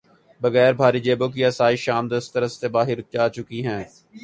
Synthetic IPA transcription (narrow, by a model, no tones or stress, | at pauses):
bəɣɛːɾbʱaːɾid͡ʒeːboːk̬iɐsaːiʃaːmd̪əst̪əɾəst̪ebaːɦɪɾt͡ʃaːt͡ʃʊkiɦɛ̃ː